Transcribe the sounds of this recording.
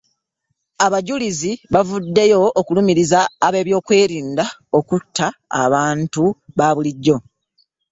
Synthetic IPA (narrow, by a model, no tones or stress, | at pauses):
aβaɟuliziβavudːe̞jo̞ːkulumiɾizaːβe̞ːβjo̞ːkwe̞ːɾiːndaokutʰːa̰ːβaːntuβaːβuliɟːo̞